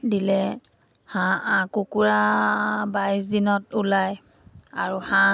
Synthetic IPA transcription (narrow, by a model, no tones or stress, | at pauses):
dilɛ | hããkukuɹabajs̬dinɔtulaj | aɹuhã